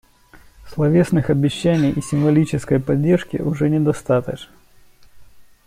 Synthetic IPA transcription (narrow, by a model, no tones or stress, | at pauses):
slˠɐvʲe̞snɨxɐbʲɪɕːænʲɪjʔisʲɪmvɐlʲit͡ɕɪskəjpɐdʲːe̞rʂkʲɪ̰ʔʊʐɛnʲɪd̪ɐst̪at̪əʂn